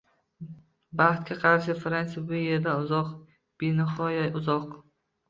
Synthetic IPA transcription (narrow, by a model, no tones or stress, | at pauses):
baχt̪kʲaqʰɑɾʃ̬ɪfɾansɪbʊjeɾd̪anʊzɒq | b̥ɪnɪχɒjaʊzɒq